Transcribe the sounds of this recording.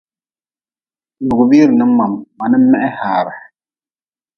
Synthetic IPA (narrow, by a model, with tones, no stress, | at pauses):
lʊ˨ɡʊ˨bi˦ɾɨ˨nɨ˦mːa˨mːa˨nɨ˦m̩˦mɛ˦ʔɛ˦haː˨ɾa˨